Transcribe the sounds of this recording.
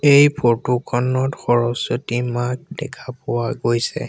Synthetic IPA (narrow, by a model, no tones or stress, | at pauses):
ejpʰotukʰɔnɔtxɔɹɔsotimak̚dɛkʰapʊwaɡojsɛ̰